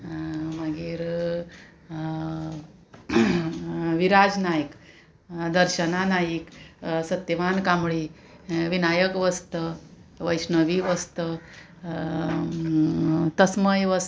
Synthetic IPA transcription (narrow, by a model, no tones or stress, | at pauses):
maɡiːɾ | ʋiɾad͡znajik | d̪əɾɕənanajiksət̪ːiʋankamɭi | ʋinajəkʋəst̪ə | ʋəjsnəʋiʋəst̪ə | t̪əsməjʋəs